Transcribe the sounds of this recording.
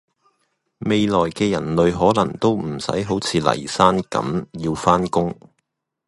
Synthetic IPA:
me˨˧jlɔː˨˩jkɛː˧jɐ˨˩nlɵ˨˧ɥɦɔː˨˥lɐ˨˩ŋt̪o˥wm̩˨˩sɐ̰˨˥jɦo˨˥wt͡sʰiː˨˧lɐ̰˨˩jsaː˥nkɐ̰˨˥mjiː˧wfaː˥nkʊ˥ŋ

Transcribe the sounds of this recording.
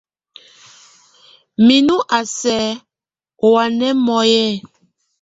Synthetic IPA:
mi˨nu˦ʔa˨sɛ˨˦˨ | wa˨nɛ˦mɔ˨jɛ˦˨

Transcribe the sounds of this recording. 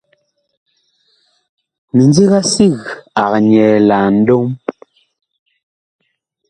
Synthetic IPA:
mi˨nd͡ze˦ɣa˦si˦˨ɣa˨kɲɛ˨la˨n̩˦do˦m

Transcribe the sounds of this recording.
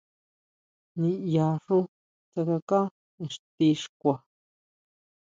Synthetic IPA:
nĩ˧ja˧ʂu˦ | t̪a˧ka˧kã˦ | ẽ˨ʂt̪i˧ʂkʷa˨

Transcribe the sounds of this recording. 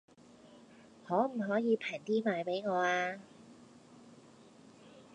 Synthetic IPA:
hɔː˨˥m̩˨˩ɦɔː˨˥jiː˨˧pʰɛː˨˩ŋt̪iː˥maː˨˧jpe˨˥jŋɔː˨˧aː˧

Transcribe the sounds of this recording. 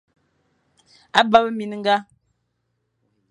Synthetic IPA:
a˦ba˦bə˦mi˨n˦ŋ̩˦ɡa˦

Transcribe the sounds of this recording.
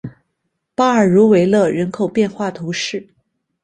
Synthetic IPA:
pa˥ə˞˨˩ɻu˧˥we˧˥ɪlə˥˧˩ɻə˧˥nkʰo˨˩ʊpjɛ˥˧nxwa˥˩t̪ʰu˧˥ʂɻ̩˥˩

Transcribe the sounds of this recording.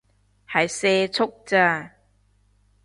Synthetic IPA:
ha˨˩jseː˧t͡sʰʊ˦˥k̚t͡sa˧˩

